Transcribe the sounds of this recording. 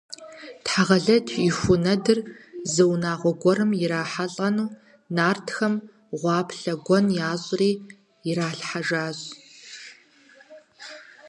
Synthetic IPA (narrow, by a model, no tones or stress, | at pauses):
tħaʁɐɮɐtʰixʷʊnɐdɨrzɐwnaːʁʷɔɡʷɔɾɨmjɪɾaːħaɬʼɐnuː | naːrtʰxɐm | ʁʷɑːpʰɬɐɡʷɔnjaːɕʼriː | ɪɾaːɬħaʒaːzʼ